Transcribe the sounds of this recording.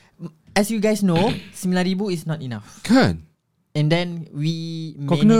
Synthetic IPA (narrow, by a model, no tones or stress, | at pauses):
ɛsjuɡajsnosimilaɾibuisnɔtinafkʰãn | ɛ̃ndɛ̃nwimkɔknə